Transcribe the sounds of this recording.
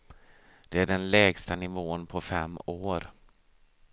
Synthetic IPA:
d̪̥ɛæɖɛnlɛːɡst̪anɪvoːnpʰɔfɛmːoːɾ

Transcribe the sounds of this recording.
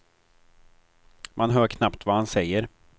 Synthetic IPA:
mʔanɦœːɾkʰnapt̪vahansɛjːəɾ

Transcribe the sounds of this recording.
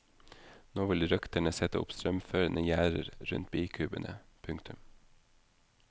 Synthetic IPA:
noːʋɪlɾœkt̪əɳəsɛt̪əʊ̰pst̪ɾœmføːɾənəjæːɾə̰ɾɾʉ̰nt̪̚biːkʰʉːbənʔə | pʰʉŋkt̪ʰʉm

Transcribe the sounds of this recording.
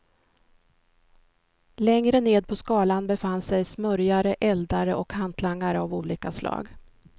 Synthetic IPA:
lɛŋɾəneːd̪̚pʰɔskɑːlanbɛfanːsɛjsmœɾjaɾəʔɛld̪aɾəʔɔkhant̪ʰlaŋːaɾəavuːliːkaslʔɑ̰ːɡ

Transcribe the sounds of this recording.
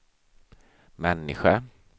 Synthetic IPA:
manːḭxa

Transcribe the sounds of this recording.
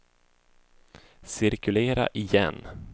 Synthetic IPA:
sɪɾkɵleːɾa̰ʔɪjɛnː

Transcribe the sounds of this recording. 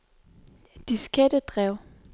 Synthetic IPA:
d̥isɡ̥ʰæd̥əd̥ʁɛʊ̰

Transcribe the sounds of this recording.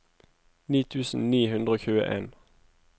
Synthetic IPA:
niːt̪ʰʉːsn̩niːhʉnd̪ʁəoːçʉːə̰ʔeːn

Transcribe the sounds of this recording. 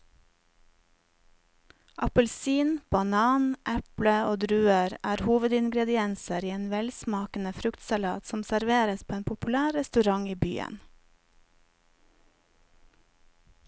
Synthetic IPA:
ʔɑpəlsiːnb̥ɑnɑːnʔɛpləoːd̪ɾʉːəɾæːɾhuːʋəd̪ɪŋɡɾɛd̪ɪɛnsəɾiːeːnʋɛlsmɑːkənəfɾʉkt̪sɑlɑ̰ːt̪sɔmsæɾʋeːɾəspʰoːeːnpʰʊpʉlæːɾɛst̪ʉɾɑŋiːby̰ːə̰n

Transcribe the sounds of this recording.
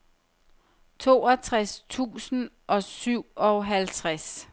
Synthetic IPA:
t͡sʰo̝ːɒt͡sʰʁast͡sʰṵːsn̩ | ʔɒ̽syʊ̰ɒɦælt͡sʰʁas

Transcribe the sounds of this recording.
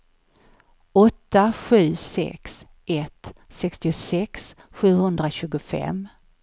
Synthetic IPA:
ɔt̪ːaɧʉ̟ːsɛ̰ks | ʔɛt̪ː | sɛkst̪ɪʊsɛks | ɧʉ̟ːhɵnd̪ɾaɕʉ̟ːɡʊfɛ̰m

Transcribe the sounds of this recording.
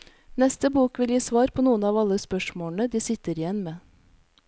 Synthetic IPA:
nɛst̪əbuːkʋɪljiːsʋɑːɾpʰoːnuːənɑːʋɑləspœʂmoːɳəd̪iːsɪt̪əɾɪjɛnmeː

